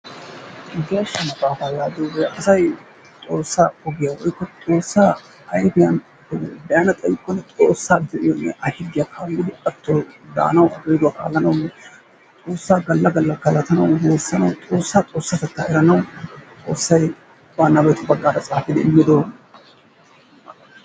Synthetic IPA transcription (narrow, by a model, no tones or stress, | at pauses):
ɡeːʃːɐnɐbaːfaːjaːd̪obɛʔɐsɐj | t̪ʼo̞ːsːaːɔɡɪjawɔjkːɔt̪ʼo̞ːsːaː | ɐjfɪjɐn | ɛb̪ɐjanɐt̪ʼɐjɪkʼːɔnːɛt͡sʼoːsːaːbd̪ɛɪjɔnːɛ̰ʔɐhɪɡːɪjakʰanɡ̪ɪd̪ʊkʼːɐt̪ʰːod̪a̰ːnɐwɐɡeːd̪ʊwɐkʼa̰ːlːɐnɐwnːɛ | t̪ʼo̞ːsːaːɡɐlːɐɡɐlːɐkɐlɐt̪ɐnɐwneːsːɐnɐ̰wtʼo̞ːsːat͡sʼo̞ːsːat̪ɐt̪ːa̰ːʔɛɾɐnɐwt͡sʼo̞ːsːɐj | banːɐbɐjt̪ʊbɐɡːaːɾɐt͡sʼaːfɪd̪ɛ̰ɪmːɪd̪oː